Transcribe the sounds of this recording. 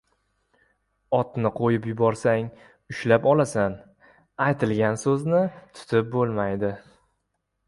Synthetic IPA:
ɒt̪nɪqʰojɪpjʊbɒɾsaŋ | ʊʃlapɒlasan | ajt̪ʰɪlɡʲansɵznɪt̪ʰʊ̥t̪ʰɪp̚bolˠmajd̪ɪ

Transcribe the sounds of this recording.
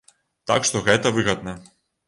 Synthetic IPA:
t̪a̰kʃt̪ɔɣɛt̪ɐvɨɣad̪̚na

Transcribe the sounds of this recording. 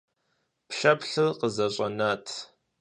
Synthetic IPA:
pɬɐpɬɨqəzɐɕʷʼɐ̰naːtʰ

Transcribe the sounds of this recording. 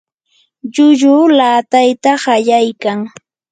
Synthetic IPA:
ʎʊʎʊːlaːt̪ajt̪aɢɑʎajkaŋ

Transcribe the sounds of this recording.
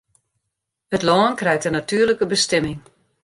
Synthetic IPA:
ətlɔːnkrɛjk̚tənatyərləkəbəstɛmɪŋ

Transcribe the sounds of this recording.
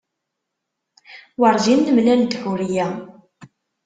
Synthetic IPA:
wɑɾˤzinːəmlænd̪xuɾijæ

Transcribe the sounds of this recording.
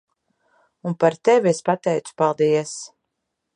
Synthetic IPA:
unpaɾt̪ɛviespat̪ɛjt̪su̥palˠd̪iɛs

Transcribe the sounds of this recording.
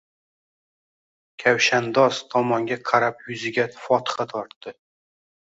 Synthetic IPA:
kʲʰawʃand̪ɒst̪ʰɒmɒŋɡʲaqʰɑɾapjʊzɪɡʲafɒt̪ɨ̥χat̪ʰɒɾt̪ːɪ

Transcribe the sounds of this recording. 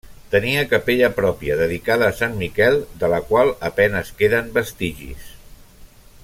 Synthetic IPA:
t̪əniəkəpeʎəpɾɔpiəðəðikaðəːsanmikɛlˠd̪ələkwalˠəpɛnəskeðəmbəst̪iʒḭs

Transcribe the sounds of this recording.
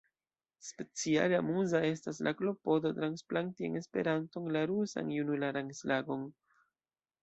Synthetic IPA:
spe̞t͡sia̰leamuzae̞stas̬laklo̞po̞dotɾansplaŋtieŋe̞spe̞̰ɾanto̞ŋlaɾusa̰njunulaɾaŋslaɡo̞n

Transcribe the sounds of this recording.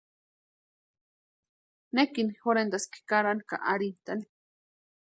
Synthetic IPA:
nekinxoɾend̪aski̥kaɾanka̰ʔaɾint̪ani̥

